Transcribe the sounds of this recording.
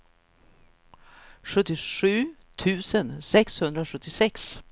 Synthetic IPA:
ʂɵt̪ːɪʂʉ̟ː | t̪ʰʉ̟ːsənsɛkshɵnd̪ɾaʂɵt̪ːɪsɛks

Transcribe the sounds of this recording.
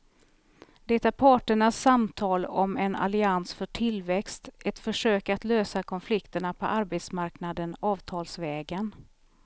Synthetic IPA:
d̪̥ɛt̪aɾpʰɑːʈəɳasːamt̪ʰɑːlɔmɛna̰lɪansfœʈʰɪlvɛkst̪ʔɛt̪fœʂøːkat̪løːsakʰɔnflɪkt̪əɳapʰɔ̰ʔaɾbeːt̪smaɾknad̪ənɑːvt̪ʰɑːlsvɛːɡən

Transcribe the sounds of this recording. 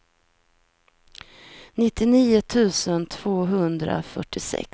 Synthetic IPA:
nɪt̪ːɪniːʊt̪ʰʉ̟ːsənt̪ʰv̥oːɦɵnd̪ɾa̰fœʈːɪsɛ̰k

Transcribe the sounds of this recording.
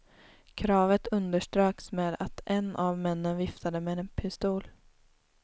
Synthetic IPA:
kʰɾɑːvət̪ɵnd̪əʂʈɾøːksmeːd̪a̰t̪ʔɛnavmɛnːənvɪft̪ʰad̪əmɛɛnpʰɪst̪uːl

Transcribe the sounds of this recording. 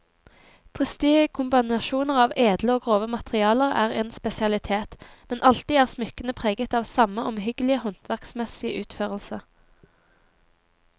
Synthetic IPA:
t̪ʰʁɪst̪ɪəkʰʊmbɪnɑʃuːnəʁɑːʋeːd̪ləoːɡʁoːʋəmɑt̪əʁɪɑːləʁæ̰ːʁɛːnspɛsɪɑlɪt̪ʰeːt̪ | mɛnʔɑlt̪iːæːʁsmʏkənəpʰʁeːɡət̪ɑːʋsɑməʔɔmhʏɡəlɪəhɔnt̪ʰʋæʁksmɛsɪəʔʉːt̪føːʁəlsə

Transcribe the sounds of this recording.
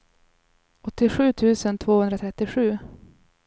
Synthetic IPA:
ɔt̪ːɪɧʉ̟ːt̪ʰʉ̟ːsənt̪ʰvoːhɵnd̪ɾat̪ʰɾɛt̪ːɪɧʉ̟ː

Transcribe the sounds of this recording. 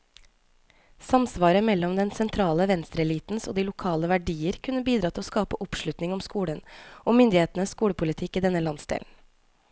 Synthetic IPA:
sɑmsʋɑːɾəmɛlːɔmd̪ɛnsɛnt̪ʰɾɑːləʋɛnst̪ɾəɛliːt̪n̩so̰ːd̪iːlʊkʰɑːləʋæɖiːəɾkʰʉnːəbiːd̪ɾɑːt̪ʰɪloskɑːpəʔɔpʂɭʉt̪nɪŋɔmskuːɽənʔoːmʏnd̪ɪheːt̪n̩əskuːɽəpʰʊlɪt̪ʰɪkːiːd̪ɛnəlɑnsd̪ḛːln̩

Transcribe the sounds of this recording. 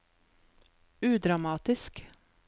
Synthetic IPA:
ʉːd̪ɾamɑːt̪ɪsk

